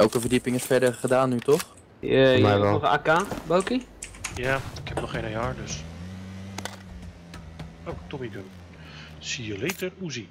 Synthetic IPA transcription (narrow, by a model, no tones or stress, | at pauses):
ɛlˠkəvərdipɪŋɪsfɛɹdərχədaːnːytɔχ | ɛɔχa̰ːkabowkijaːɪkʰhɛpnɔχejnəjaːɹdəs | owtɔmikən | siəletəruzi